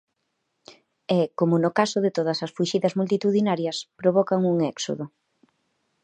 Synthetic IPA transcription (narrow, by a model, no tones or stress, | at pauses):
ɛkomʊnʊkasoðɪt̪oð̞ɐsɐsfuʃiðɐzmult̪it̪uðinaɾjɐspɾoβɔkaŋuŋɛkso̰ðo